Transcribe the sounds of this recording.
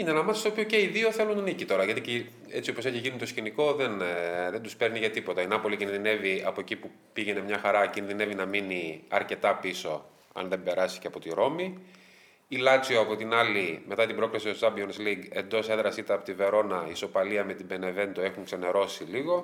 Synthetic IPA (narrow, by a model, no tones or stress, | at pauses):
inenɐmɐsst̪opçoceiðio̞θe̞lunnicit̪o̞ɾɐʝɐt̪ici | e̞t͡sioposeçiʝinit̪osciniko̞ðenðent̪uspe̞ɾniʝɐt̪ipot̪ɐinɐpo̞licinðine̞viɐpoecipu | piʝe̞ne̞mɲɐxɐɾɐcinðine̞vinɐminiɐɾce̞t̪ɐpiso̞ | ɐ̰nðe̞mbe̞ɾɐsi̥ceɐpo̞t̪iɾo̞mi | ilɐt͡sioɐpo̞t̪inɐlime̞t̪ɐt̪ibɾo̞klisiozɐbionsliɡe̞nd̪o̞seðɾɐsit̪ɐpot̪ive̞ɾo̞nɐiso̞pɐliɐme̞t̪ibe̞ne̞ve̞nd̪oe̞xuŋkse̞ne̞ɾo̞siliɣo̞